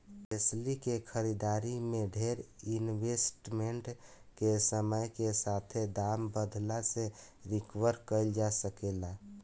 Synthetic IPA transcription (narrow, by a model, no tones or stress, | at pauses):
eslikekʰəɾid̪aɾimeɖʱeɾinwesʈmeɳʈkesəməjkesat̪ʰed̪ambəd̪ʱlaseɾikwəɾkəɪld͡ʒasəkela